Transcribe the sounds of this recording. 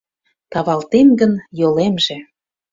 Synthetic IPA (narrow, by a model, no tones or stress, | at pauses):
t̪ɑβɑlt̪enɡənjolemʒĕ